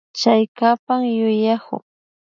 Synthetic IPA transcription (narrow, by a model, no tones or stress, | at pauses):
t͡ʃajkapaŋjʊjakʊ̰ŋ